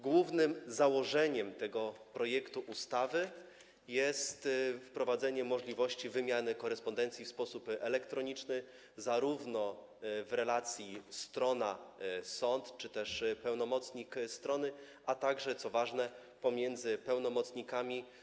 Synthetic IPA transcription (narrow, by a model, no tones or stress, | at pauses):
ɡwuvnɘmzawɔʐɛɲɛmt̪ɛɡɔpɾɔjɛkt̪uʔust̪avɘ | jɛst̪fpɾɔvad̪zɛɲɛmɔʐlʲivɔɕt͡ɕivɘmʲjanɘkɔɾɛspɔnd̪ɛnt̪sʲifspɔsupɛlɛkt̪ɾɔɲit͡ʂnɘ | zaɾuvnɔ | vɾɛlat̪sʲjist̪ɾɔnasɔnt̪t͡ʂɘt̪ɛʂpɛwnɔmɔt̪sɲikst̪ɾɔnɘ | ʔat̪aɡʐɛt̪sɔvaʐnɛ | pɔmʲjɛnd̪zɘpɛwnɔmɔt̪sɲikamʲi